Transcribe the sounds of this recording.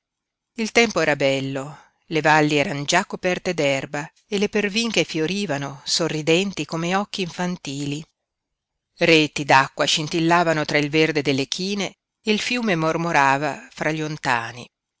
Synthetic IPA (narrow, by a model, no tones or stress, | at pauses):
ilt̪ɛmpoɛːɾabɛlːo | levalːiɛːɾanod͡ʒakːopɛrt̪ed̪ɛrba | elːeperviŋk̟efjoɾiːvanosorːid̪ɛnt̪ikomeɔk̟ːiːɱfant̪iːli | reːt̪id̪akːwaʃint̪ilːaːvanot̪ɾailverd̪ed̪elːekʰiːneː | ilfjuːmemormoɾaːvafɾʔaʎːont̪a̰ːnḭ